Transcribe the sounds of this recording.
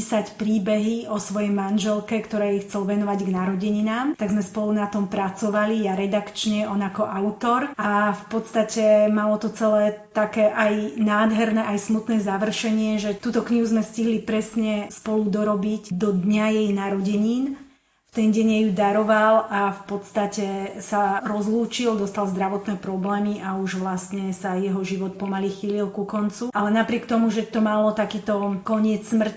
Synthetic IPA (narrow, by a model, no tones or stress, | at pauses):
isacpɾiːbɛɦiɔsʋɔjɛjmanʒɛlkɛkt̪ɔɾɛːjixt͡sɛlʋɛnɔʋaɟɡnaɾɔɟɛɲinaːmt̪aɡzmɛspɔlunat̪ɔmpɾat͡sɔʋalijaɾɛd̪akt͡ʃɲɛʔɔnakɔʔaʊt̪ɔɾʔafpɔt̪st̪acɛmalɔt̪ɔt͡sɛlɛːt̪akɛːʔajnaːd̪ɦɛɾnɛʔajsmut̪nɛːzaʋr̩ʃɛɲɪɛʒɛt̪uːt̪ɔkɲiɦuzmɛsciɦlipɾɛsɲɛspɔlud̪ɔɾɔbicd̪ɔd̪ɲajɛjnaɾɔɟɛɲiːn | ft̪ɛnɟɛɲɛjud̪aɾɔʋalʔafpɔt̪st̪acɛsaɾɔzluːt͡ʃild̪ɔst̪alzd̪ɾaʋɔt̪nɛːpɾɔblɛːmiʔauʒʋlast̪ɲɛsajɛɦɔʒiʋɔt̪̚pɔmalixililkukɔnt͡suʔalɛnapɾɪɛk̚t̪ɔmuʒɛt̪ɔmalɔt̪akiːt̪ɔkɔɲɪɛt͡ssmr̩c